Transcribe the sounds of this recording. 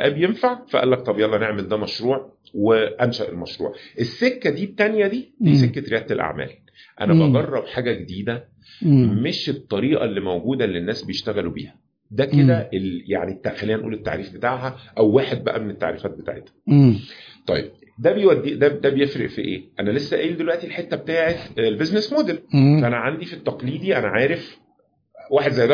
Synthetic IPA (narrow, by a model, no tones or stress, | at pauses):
ʔæːbejenfaʕfæʔæ̰lːæk̚t̪ˤɑbijɑlːneʕmeld̪æmæʃɾuːʕ | weʔænʃæʔḛlmæʃɾṵːʕʔesːekːæd̪iːt̪ːænjæd̪iːd̪iːsekːæɾejæːt̪elʔa̰ʕmæ̰ːl | ʔæ̰næbɑɡɑrˤːɑbħaːɡæɡed̪iːd̪æ | meʃet̪ˤːɑɾiːʔɑ̰lːimæwɡuːd̪ælːenːæːsbejeʃt̪æɣælubḭːhæ | d̪æked̪æʔeljaʕnit̪ːaxælːejːænʔṵːlet̪ːa̰ʕɾiːfbet̪aːʕɦæʔæwːaːħed̪̚bæ̰ʔæmenet̪ːa̰ʕɾḭfæːt̪̚bet̪a̰ʕḛt̪hæ̥ | t̪ˤɑ̰jḛb̚ | d̪æbejwæd̪ːid̪æd̪æbejefɾḛʔfḭʔḛːʔænælesːæʔeːld̪elwæʔt̪ilħet̪ːæbet̪aːʕet̪lbeznesmoːd̪elfæʔænæʕand̪ifit̪ːɑqliːd̪iʔænæʕaːɾef | waːħed̪zæjːd̪æ